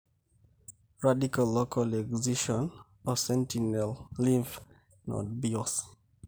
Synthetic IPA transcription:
ɹadikalːokʰalɛkwziʃɔ̃n | ɔsɛ̃ntinɛllĩɱf | nɔ̰dbiɔs

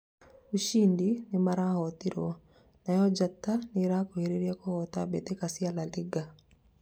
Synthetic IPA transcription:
uʃiːndinemaɾahɔtiɾwɔ | najɔd͡ʒatːaneɾaːkoheɾeɾiakohɔtabetekasialaliɡa

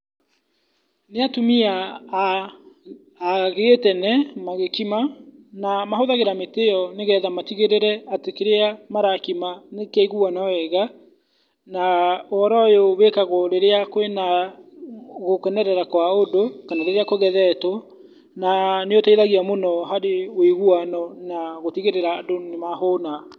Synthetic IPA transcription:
neatomia | ɣetɛnɛmaɣekimanamaɦoðaɣeɾameteɔneɣɛðamatiɣeɾeɾɛatekeɾeamaɾakimanekaiɣuɔnaɛɣa | naɔɾɔjoβekaɣoɾeɾeakowena | ɣokɛnɛɾɛɾakwaodokanaɾeɾeakoɣɛðɛtɔ | naneotaiðaɣiamonɔɦaɾeweɣuanɔnaɣotiɣeɾeɾaːdonemahona

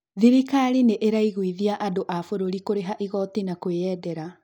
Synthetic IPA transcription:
ðiɾikaɾineʔeɾaiɣwiðiaʔadoʔafoɾoɾikoɾeɦaʔiɣɔtinakweɛːdɛɾa

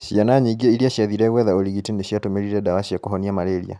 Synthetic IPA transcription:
ʃijanaɲiɡiɛiɾiaɕiaðiɾɛɣwɛðaoliɣitineʃiatomeɾiɾɛdawaʃiakoɦɔniamaɾeɾḭa̰

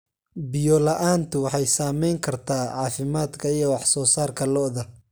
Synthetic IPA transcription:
bɪjɔlɐʔaːnt̪ʰʊwɑħɑjsaːmɛjŋkʰɐrt̪ʰaːʕɑːfɪmaːd̪kʰɐijɔwɑħsɔːsaːrkʰɐlɔʔðɐ

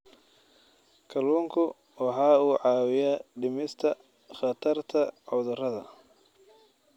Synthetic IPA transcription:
kʰɐluːŋkʰʊ | wɑħɑːuːʕɑːwɪjaɖɪmɪst̪ʰɐ | χɑt̪ʰɐrt̪ʰɐʕɔðʊrɐðɐ̰

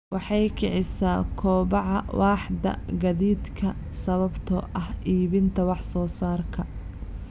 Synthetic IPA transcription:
wɑħɑjkʰɪʕɪsaːkʰɔːβɑʕɑwʔɑːħd̪ɐ̰ɡɐðiːd̪kʰɐ | sɐβɐbt̪ʰɔʔɐhʔiːβɪnt̪ʰɐwɑħsɔːsaːrkʰɐ

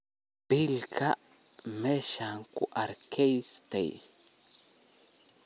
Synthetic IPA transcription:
pilkaʔ | meʃaŋkuʔaɾkʰejst̪ḛj

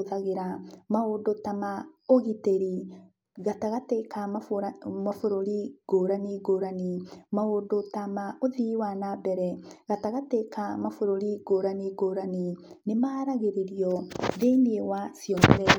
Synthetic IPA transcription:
ðaɣeɾamaodotamaoɣiteɾi | ɣataɣateka | mafoɾoɾiɡ̥oɾaniɡoɾanimaodotamaoðiwanabɛɾɛɣataɣatekamafoɾoɾiɡoɾaniɡoɾani | nemaːɾaɣeɾeɾiɔðeneewasiɔnðɛ

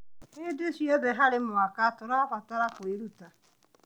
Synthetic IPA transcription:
ɪdɪsiebeɦaɾɪmʊakatʊɾakʷataɾakʷoiɾuta

